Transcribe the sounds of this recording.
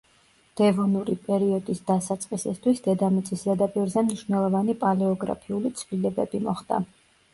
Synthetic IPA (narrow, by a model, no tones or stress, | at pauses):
d̪̥ɛvɔnuɾipʼɛɾiɔd̪isd̪asat̪sʼqʼisist̪ʰwisd̪ɛd̪amit̪sʼisd̪ɛd̪apʼiɾzɛmniʃvnɛlˠɔvanipʼalɛɔɡɾa̰pʰiulit̪sʰvlilɛbɛ̰bimɔχd̪̥a̰